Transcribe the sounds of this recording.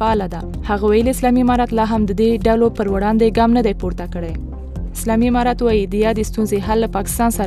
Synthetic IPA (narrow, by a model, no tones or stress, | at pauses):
aɑlad̪ahaɣawajəliɪslɑmiɪmɑɾɑt̪lɑɦamd̪əd̪eɖalopəɾwaɽɑnd̪eɡɑmnad̪ajpuɾt̪akəɽa | ɪslɑmiɪmɑɾɑt̪wɑjid̪əjɑd̪est̪unzeɦalːapɑkɪ̥st̪ɑnsaɾ